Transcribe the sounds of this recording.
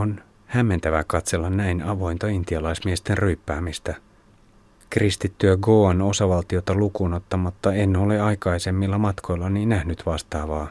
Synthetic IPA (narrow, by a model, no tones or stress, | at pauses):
on | hæmːe̞nt̪æʋækɑt̪se̞lːɑnːæjnɑʋo̞jnt̪ɑint̪iɑlɑjsmiest̪e̞nryːpːæːmist̪æ | krist̪it̪ːyæɡo̞ːɑno̞sɑʋɑlt̪io̞t̪ɑlukuːnot̪ːɑmɑt̪ːɑe̞nːoleɑjkɑjse̞mːilːɑmɑt̪kʰo̞jlːɑniːnnːæhnyt̪ʋɑst̪ɑːʋɑː